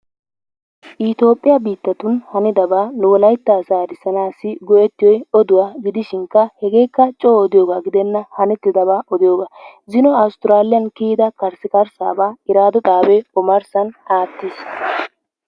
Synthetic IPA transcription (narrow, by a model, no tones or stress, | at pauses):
ʔɪt̪o̞ːpʼːɪjɐbiːt̪ːɐt̪ʊnhɐnɪd̪ɐbaːnʊwɔlɐjt̪ːaːsaːd̪ɪsɐnaːsːɪɡɔʔɛt̪ːɪjɔjɔd̪ʊwaːɡɪd̪ɪʃɪŋkːɐhɛɡe̞ːkːɐt͡ʃʼɔːd̪ɪjoːɡaːɡɪd̪ɛnːɐhɐnɛt̪ːɪd̪ɐβaːʔɔd̪ɪjoːɡaːzɪnɔɐwʊst̪ɪɾaːlɪjɐnkiːd̪ɐkɐɾsɪkɐɾsa̰ːbaːɪɾaːd̪ɔt̪ʼaːbɛɔmɐɾsɐnaːt̪ːɪs